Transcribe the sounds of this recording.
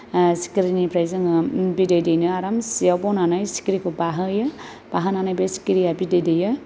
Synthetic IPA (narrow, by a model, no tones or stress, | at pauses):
si̥kɾinipʰɾajzɯŋɯbidɯjdejnɯaɾamsiawbɔnanajsi̥kiɾikʰɯbaɦɯjɯ | b̥aɦananajbesi̥kiɾijabidɯjdɯjɯ